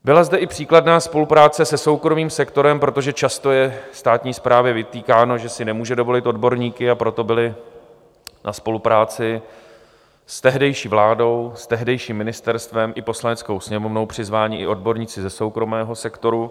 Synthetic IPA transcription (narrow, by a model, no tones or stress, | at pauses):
bɪlazdɛʔɪpr̝̥iːkladnaːspo̞lupɾaːt͡sɛsɛso̞wkɾo̞miːmsɛkt̪o̞ɾɛmpɾo̞t̪o̞ʒɛt͡ʃast̪o̞jɛst̪aːt̪ɲiːspɾaːvjɛvɪt̪iːkaːno̞ʒɛsɪnɛmuːʒɛdo̞vo̞lɪt̪ʔo̞dbo̞ɾɲiːkɪapɾo̞t̪o̞bɪlɪ | nʔaspo̞lupɾaːt͡sɪ | st̪ɛɦdɛjʃiːvlaːdo̞wst̪ɛɦdɛjʃiːmːɪnɪst̪ɛɾst̪vɛmʔɪpo̞slanɛt͡sko̞wsɲɛmo̞vno̞wpr̝̥ɪzvaːɲiːʔɪʔo̞dbo̞ɾɲiːt͡sɪzɛso̞wkɾo̞mɛːɦo̞sɛkt̪o̞ɾu